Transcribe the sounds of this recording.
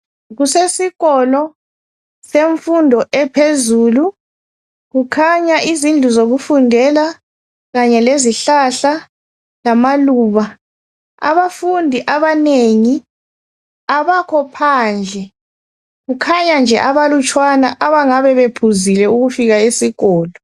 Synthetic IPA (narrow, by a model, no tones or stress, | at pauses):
ɣusesiɣɔlɔ | seɱfundʱɔʔɛpʰezuːlu | ɣukʰaɲaʔizind͡ɮʱuzoɣufundʱɛla | ɣaɲɛleziɬaɬa | lamaluːβa | a̰βafundʱiʔaβaneŋi | aβakʰɔpʰaːnd͡ɮʱɛ | ɣukʰaɲand͡ʒʱɛ̰ʔaβalut͡ʃʼwanaʔaβaŋaβɛβepʰuzilɛuɣufiɣaesiɣɔːlɔ